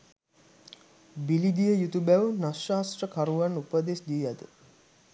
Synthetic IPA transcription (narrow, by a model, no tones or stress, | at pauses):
bilid̪ijəjut̪ubæʋnasaːst̪rəkaɾuʋanupəd̪esd̪iːjad̪ə